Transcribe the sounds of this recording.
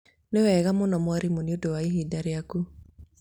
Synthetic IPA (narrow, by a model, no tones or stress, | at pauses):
newɛɣamonɔmwaɾimoniodowaiɦidaɾeaku